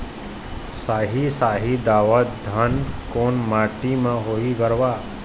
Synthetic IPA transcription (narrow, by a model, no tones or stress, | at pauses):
saːɦisaːɦid̪aːʋət̪d̪ʱənkoːnmaːʈimãɦoːiɡəɾʋaː